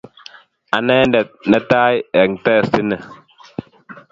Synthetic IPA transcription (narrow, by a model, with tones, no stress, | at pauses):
a˨nɛ˦n˦dɛ˨t̚nə˨ta˦jɛ˨ŋ˨tɛː˦˨si˦nɛ˨